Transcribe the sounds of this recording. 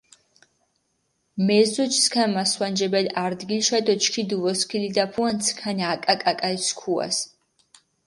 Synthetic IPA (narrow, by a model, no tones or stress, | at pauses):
mɛzut͡ʃʰskʰanmaswand͡ʒɛbɛd̪aɾd̪ɡilʃad̪ɔt͡ʃʰkʰid̪uvɔskʰilid̪apʰuant̪sʰkʰaniakʼakʼakʼajsʰkʰua̰s